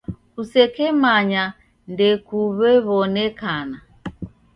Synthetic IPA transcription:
kusɛkɛmaɲa | ndɛkuβɛβɔnɛkana

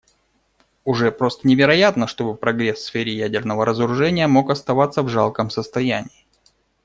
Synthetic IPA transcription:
ʊʐɛpɾo̞st̪ənʲɪvʲɪɾɐjat̪nəʂt̪o̞bɨpɾɐɡɾʲesːfʲeɾʲɪjædʲɪrnəvəɾəzəɾʊʐɛnʲɪjəmo̞kɐst̪ɐvat̪sːəvʐalˠkəmsəst̪ɐjænʲɪː

